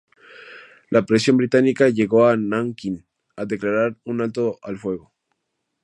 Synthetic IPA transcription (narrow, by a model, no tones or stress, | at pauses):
lʔapɾe̞s̬jo̞mbɾit̪anikaʝe̞ɣo̞anaŋkin | aðe̞klaɾaɾunalt̪oalfwe̞ɣo̞